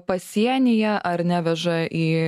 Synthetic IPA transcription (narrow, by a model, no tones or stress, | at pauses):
pɐsʲiɛnʲɪjɛʔɐɾnʲæːʋʲɛʒɐʔiː